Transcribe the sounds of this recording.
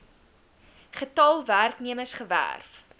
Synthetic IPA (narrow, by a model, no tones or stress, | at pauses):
χətɑlˠværkniəməsχəvæ̰rf